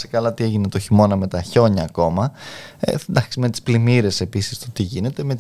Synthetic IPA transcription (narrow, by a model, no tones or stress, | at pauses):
se̥kɐlɐt̪ie̞ʝinet̪oçimo̞nɐme̞t̪ɐço̞ɲɐːko̞mɐḛd̪ɐkime̞t̪i̥splimiɾe̞se̞pisi̥st̪o̞t̪iʝine̞t̪e̞met̪i